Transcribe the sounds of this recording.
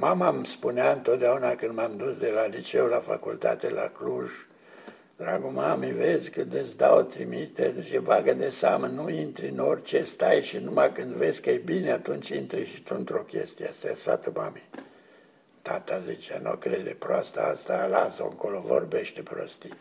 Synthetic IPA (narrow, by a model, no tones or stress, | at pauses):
mamamspuneaɨnt̪o̞t̪̚d̪eaunakɨnd̪mamd̪usd̪e̞lalit͡ʃe̞ulafa̰kult̪at̪ela̰kluʒ | d̪ɾaɡumamivezʲkɨnd̪esd̪aot̪ɾimit̪ezt͡ʃivaɡəd̪esamənuint̪ɾinorʲt͡ʃest̪ajʃinumakɨnd̪ve̞zʲkəejbineat̪unt͡ʃʲint̪ɾiʃit̪unt̪ɾo̞kʲe̞̰st̪iast̪afɾa̰t̪əmami | t̪at̪azit͡ʃeano̰kɾed̪epɾoast̪aast̪alaso̰ɨŋko̞lovo̰rbe̞ʃt̪epɾo̰st̪i